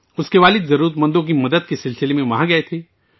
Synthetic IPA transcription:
ʊskeʋaːlɪd̪zɐɾuːɾət̪mɐ̃nd̪õk̬imɐd̪əd̪̚kesɪlsɪlemẽmɐɦãɡɐet̪ʰeː

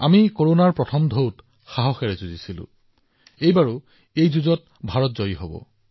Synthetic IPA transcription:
a̰mikoɹonaɹpɹɔtʰɔmdʱowt | xaɦɔxɛɹɛzuzisilʊ̰̃ | ejbaɹu | ejzuzɔt̚ | bʱaɹɔtzɔjiɦo̰bɔ̰

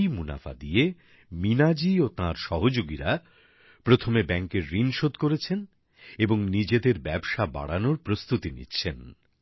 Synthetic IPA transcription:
jmuna̰fa̰d̪ie | minad͡ʑiot̪ãɾʃɔɦod͡ʑoɡiɾa | pɾot̪ʰomebɛŋkeɾːinʃod̪koɾet͡ɕʰen | eboŋnid͡ʑed̪eɾbɛbʃaba̰ɽanoɾpɾost̪ut̪inḭtːɕʰen

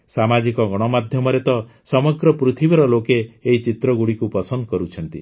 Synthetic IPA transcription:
samad͡ʒikɔɡɔɽ̃ɔmad̪ʱjɔmɔɾet̪ɔ | sɔmɔɡɾɔpɾut̪ʰibiɾɔlokeːɦit͡ʃit̪ɾɔɡuɽikupɔsɔnd̪ɔkɔɾut͡ʃʰɔnt̪ḭ

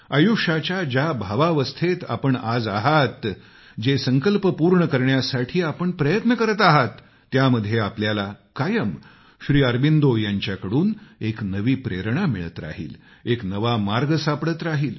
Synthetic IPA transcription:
əjuʂat͡ɕjad͡ʑabʱaʋaʋəst̪ʰet̪a̰pəɳad͡zaɦat̪ | d͡ʑesəŋkəlpəpuɾɳəkəɾɳjasaʈʰiːapəɳpɾəjət̪nəkəɾət̪aɦat̪ː | jaməd̪ʱːjeapljalakajəm | ɕɾiːəɾbind̪ojaɲt͡ɕjakəɽuːneknəʋiːpɾḛɾɳamḭɭə̰t̪ɾa̰ɦḭːl | eknəʋamaɾɡəsapɽət̪ɾaɦiːl

